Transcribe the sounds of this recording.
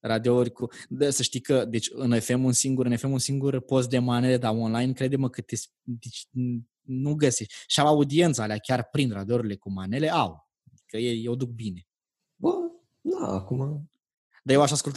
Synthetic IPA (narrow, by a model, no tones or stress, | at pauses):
ɾad̪eourʲkud̪əsəʃt̪ijkəd̪e̞t͡ʃʲɨnefe̞munsiŋɡuɾɨnefe̞munsiŋɡurpo̞st̪̚d̪e̞mane̞le̞d̪aonlajnkɾe̞d̪eməkət̪es | d̪et͡ʃ | nuɡəseʃt̪ʲʃiawaud̪ie̞nt̪saaleakʲarpɾind̪rad̪eoɾuile̞kumane̞le̞ʔaw | ad̪ikəjejewd̪uk̚bine̞ | bə | d̪a̰a̰kuma | d̪ajewaʃaskult̪a